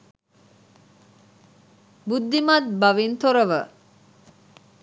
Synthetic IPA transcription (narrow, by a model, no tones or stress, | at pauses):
bud̪ːimat̪̚baʋint̪oɾəʋə